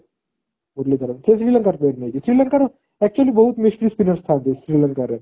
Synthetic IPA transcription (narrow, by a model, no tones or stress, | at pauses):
muɾlid̪ɐɾəmt̪ʰesɾiːlɐ̃ŋkaɾpeːʈned͡ʒisɾiːlɐ̃ŋkaɾ | ɛk̚t͡ʃuəlibɐɦut̪mɪʃʈɾispinəɾst̪ʰaːnd̪esɾiːlɐ̃ŋkaɾẽ